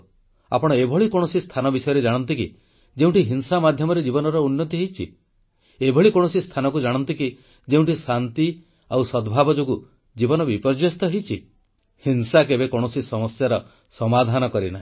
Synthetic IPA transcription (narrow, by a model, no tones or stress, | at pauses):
a̰pɔɽ̃ɔebʱɔɭikoɽ̃ɔsist̪ʰanɔbisɔjɔɾed͡ʒaɽ̃ɔnt̪iki | d͡ʒeũʈiɦinsamad̪ʱjɔmɔɾed͡ʒibɔnɔɾɔunːɔt̪iɦejt͡ʃʰḭ | ebʱɔɭikõɔsist̪ʰanɔkud͡ʒaɽ̃ɔnt̪iki | d͡ʒeũɳʈisant̪i | awsɔd̪bʱabɔd͡ʒoɡu | d͡ʒibɔnɔbipɔɾd͡ʒwest̪ɔɦejt͡ʃʰi | hinsakebekoɽ̃ɔsisɔmɔsjaɾɔ | sɔmad̪ʱanɔkɔɾina̰i